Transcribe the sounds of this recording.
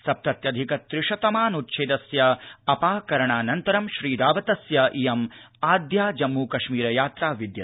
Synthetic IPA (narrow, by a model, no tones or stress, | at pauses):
sɐp̚t̪ɐt̪jɐd̪ʱikɐt̪ɾɪʂɐt̪ɐmaːnut̪ʃʰeːd̪ɐsjɐɐpaːkɐɾɐɳaːnɐnt̪ɐɾɐmʃɾiːd̪aːʋɐt̪ɐsjɐʔijɐm | aːd̪jaːd͡ʒɐmːuːkɐʃmiːɾɐjaːt̪ɾaːʋid̪jɐ